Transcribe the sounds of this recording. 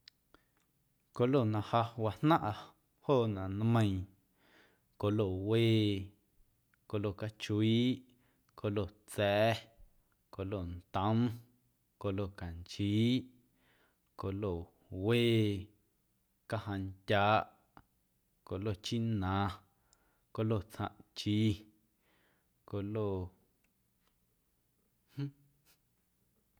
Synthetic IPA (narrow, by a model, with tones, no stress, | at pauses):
ko˧lo˦˨nã˧ha˧wa˧nnã˦ʔa˧ | hoː˦˨nã˨n˦mə̃˧ĩ˨ | ko˨lo˨weː˦˨ | ko˧lo˧˨ka˧t͡ʃu˧iː˦ʔ | ko˧˨lo˧˨t͡sɛː˨˦ | ko˨lo˧˨nt̪ə̃˦m | ko˧˨lo˧˨ka˨nt͡ʃiː˦ʔ | ko˧˨lo˧˨ | weː˦˨ | ka˧ɦã˧ntʲaː˧˦ʔʔ | ko˨lo˧˨t͡ʃi˦nã˨˧ | ko˧lo˧˨t͡sã̰˧ʔt͡ʃi˧˦ | ko˧˨lo˧˨ | h̩˦